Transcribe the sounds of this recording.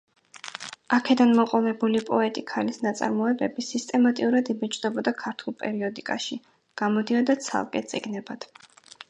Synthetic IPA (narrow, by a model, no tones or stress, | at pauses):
akʰɛd̪anmɔqʼɔvɛbulipʼɔɛt̪ʼikʰalisnat̪sʼa̰ɾmɔɛbɛbisist̪ʼɛmat̪ʼiuɾad̪ibɛt͡ʃʼd̪ɛbɔd̪akʰaɾt̪ʰulˠpʼɛ̰ɾiɔd̪ikʼaʃi | ɡ̥amɔd̪iɔd̪at̪sʰa̰lˠkʼɛt̪sʼḭɡnɛbad̪̥